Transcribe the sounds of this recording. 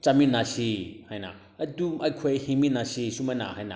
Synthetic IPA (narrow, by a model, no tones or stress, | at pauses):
t͡ʃaminasihajna̰ | ɐdumajkʰuhiminasisumana̰hajna̰